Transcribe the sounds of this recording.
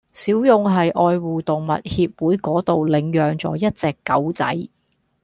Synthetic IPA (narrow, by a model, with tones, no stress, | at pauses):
siː˨˥wjʊ˨ŋɦɐ˨jʔɔː˧jwuː˨˩t̪ʊ˨ŋmɐ̰˨t̚hiː˧p̚wuː˨˥jkɔː˨˥t̪o˨wlɪ˨˩ŋjœː˨ŋt͡sɔ̰ː˨˥jɐ˥t̚t͡sɛː˨˧kːɐ˨˥wt͡sɐ̰˨˥j